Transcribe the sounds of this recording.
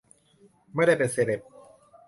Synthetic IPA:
ma˥˩jda˥˩jpe˧nseː˧le˨˩p̚

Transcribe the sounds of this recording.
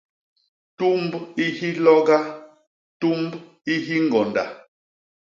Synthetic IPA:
tu˦mbi˦hi˦lɔ˦ɡa˦ | tu˦mb | i˦ɦi˦ŋ˨ɡɔ˨nda̰˨

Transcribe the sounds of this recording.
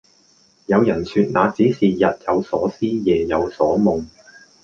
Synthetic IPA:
jɐ˨˧wjɐ˨˩nsyː˧t̚naː˨˧t͡siː˨˥siː˨˩jɐ˨t̚jɐ˨˧wsɔː˨˥siː˥jɛː˨˩jɐ˨˧wsɔː˨˥mʊ˨˧ŋ

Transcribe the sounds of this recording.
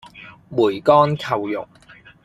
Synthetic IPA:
muː˨˩jkɔː˥nkʰɐ˨wjʊ̰˨k̚

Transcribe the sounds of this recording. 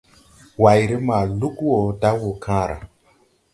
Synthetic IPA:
wa˨jɾe˦ma˨lu˦kwo˨da˦wo˨kʰãː˦ɾa̰˨

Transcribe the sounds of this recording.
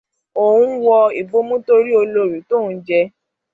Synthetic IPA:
o˨wũ˦wɔ˧i˨bo˦mũ˦to˧ɾi˦o˧lo˧˦˨ɾi˨˦tõ˦˨˧d͡ʒɛ˧

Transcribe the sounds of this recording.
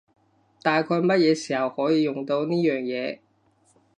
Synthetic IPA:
t̪aː˨jkʰɔː˧jmɐ˥t̚jɛː˨˧siː˨˩hɐ˨˩whɔː˨˥jiː˧jʊ˨ŋt̪o˧wniː˥jœː˨ŋjɛː˨˧

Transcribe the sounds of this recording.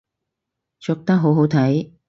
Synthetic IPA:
t͡ʃɔ˨k̚t̪ɐ˥k̚ɦo˨˥wɦo˨˥wt̪ʰɐ˨˥j

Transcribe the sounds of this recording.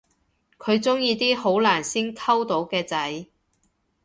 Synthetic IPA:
kʰɵ˨˧ɥt͡sʊ˥ŋjiː˧t̪iː˥ho˨˥wlaː˨˩nsiː˥nkʰɐ˥wt̪o˨˥wkɛː˧t͡sɐ˨˥j

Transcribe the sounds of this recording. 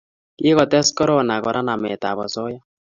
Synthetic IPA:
ki˦kɔ˨tɛ˦skɔ˦ɾɔ˦˨na˨kɔ˨ɾʔa˦na˨mɛ˨ta̰˨bɔ̰˨sɔ˦ja˦

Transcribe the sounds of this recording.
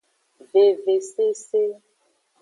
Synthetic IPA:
ve˨ve˨se˦se˦

